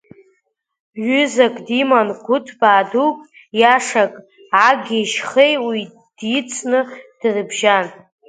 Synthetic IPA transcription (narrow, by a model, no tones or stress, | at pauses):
ɥʏzakʼdimankʷʰʊtʰbaːdukʼ | jaʂakʼ | aɡʲiʃχejwi | d̥it͡sʰnɨd̥rɨbʒan